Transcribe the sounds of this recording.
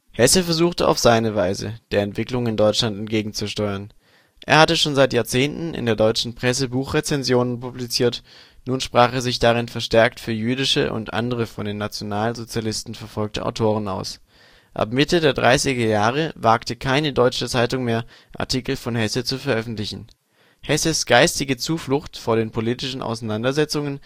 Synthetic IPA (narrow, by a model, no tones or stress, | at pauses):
hɛsəfɛɐzuːxtəʔa̰ʊfz̥aɪnəvaɪzə̰d̥eːɐɛntv̥ɪklʊŋɪndɔʏt͡ʃlantɛnt̚ɡ̥eːɡŋ̩t͡suʃtɔʏɐn | ʔḛːɐhatəʃoːnzaɪtjaːɐt͡seːntn̩ʔɪ̰ndeːɐdɔʏt͡ʃn̩pʁ̥ɛs̬əbuːχʁ̥et͡sɛnzjoːnənpublit͡siːɐt | nuːnʃpʁ̥aːχeːɐzɪçd̥aʁ̞ɪnfɛɐʃtɛɐktfyːɐjyːdɪʃə̰ʔʊ̰ntʔa̰ndəʁ̞əfɔndeːnːat͡sjonaːlzot͡sjalɪstn̩fɛɐfɔlk̚təʔa̰ʊtʰoːʁ̞əna̰ʊs | ʔa̰pmɪtədeːɐdʁa̰ɪsɪɡɐjaːʁ̞əvaːktəkʰaɪnədɔʏt͡ʃət͡saɪtʊŋmeːɐ | ʔa̰ɐtʰiːkl̩fɔnhɛsət͡sufɛɐʔœfn̩tlɪçn̩ | hɛsəsɡ̥aɪstɪɡət͡suːflʊxtfoːɐɾeːnpʰoliːtɪʃn̩ʔa̰ʊsanandɐzɛt͡sʊŋən